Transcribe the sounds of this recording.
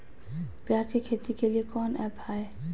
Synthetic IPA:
peat͡ɕekʰet̪ikeliekɔnʔɛbhae

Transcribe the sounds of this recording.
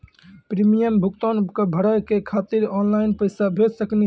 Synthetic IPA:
pɾimijəmbʱukt̪ankəbʱəɽajkekʰat̪iɾɔnlaɪnpəɪsabʱed̪səkni

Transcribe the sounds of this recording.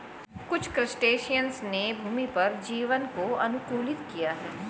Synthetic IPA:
kʊt͡ʃʰkɾɪsʈeːʃijənsnebʱuːmipɐɾd͡ʒiːʋənkoɐ̰nʊkuːlɪt̪kijaɦɛː

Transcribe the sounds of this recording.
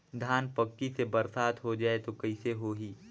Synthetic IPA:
d̪ʱaːnpɐkːisebɐɾsaːt̪ɦod͡ʒaːet̪okɐiseɦoːɦiː

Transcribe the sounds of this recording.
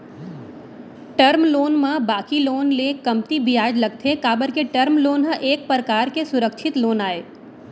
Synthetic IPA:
ʈəɾmloːnmãbaːkiloːnlekɐmt̪ibʱijaːd͡ʒlɐɡ̚t̪ʰekaːbəɾkeʈəɾmloːnɦə̃ʔeːk̚pɾəkaːɾkesʊɾəkʃʰɪt̪loːnaːeː

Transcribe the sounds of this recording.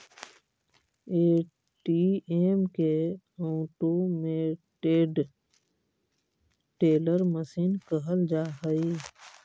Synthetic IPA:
eː | ʈieːmke | ɔʈomẽʈeːɖ | ʈeːləɾməsiːnkəɦəld͡ʒaːɦəi

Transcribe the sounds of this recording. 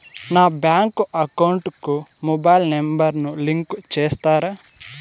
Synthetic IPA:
naːbjaːŋkuɐkɐwɳʈkumobɐjlnembɐɾnuliŋkt͡ʃeːst̪aːɾɐ

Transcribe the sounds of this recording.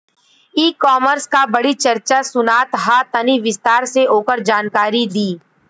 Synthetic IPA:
iːkɔːməɾskabɐɽit͡ʃɐɾt͡ʃasʊnaːt̪ɦat̪əniʋɪst̪aːɾseʔoːkəɾd͡ʒaːnkaːɾid̪iː

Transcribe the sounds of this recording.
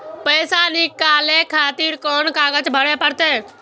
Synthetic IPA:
pəːsaːnɪkaːlẽːkʰaːt̪iːɾkɔːnkaːɡət͡ʃbʱəɽeːpəɾt̪eː

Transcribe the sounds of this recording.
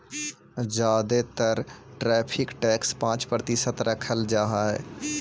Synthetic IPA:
d͡ʒaːd̪et̪əɾʈɾɛːpʰɪkʈɛːkspãːt͡ʃpɾət̪ɪsət̪ɾəkʰəld͡ʒaːɦaɦɛ̰ː

